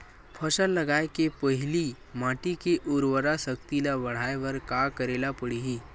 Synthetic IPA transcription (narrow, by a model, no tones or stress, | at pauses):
pʰəsəlːɐɡaːekepəɦɪli | maːʈikeʔʊɾʋəɾasəkt̪ilabɐɽ̤aːeʋəɾkakəɾeːlapəɽiɦiː